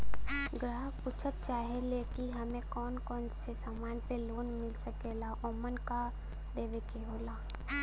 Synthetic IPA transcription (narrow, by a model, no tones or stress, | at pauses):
ɡɾaːɦəpuːt͡ʃʰət̪̚t͡ʃaːɦelekiɦɐmẽkɔːnkɔːnsesaːmaːnpeloːnmɪlsəkeːlaʔɔːmənka | d̪eːʋekeɦoːlaː